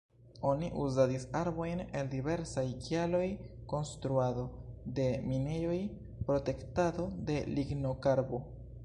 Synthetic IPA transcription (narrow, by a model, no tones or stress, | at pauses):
o̞niʔuzadisaɾbo̞jne̞ldive̞ɾsajkialo̞jko̞nstɾuado̞de̞mine̞jo̞j | pɾo̞te̞ktado̞de̞liɡnokaɾbo̞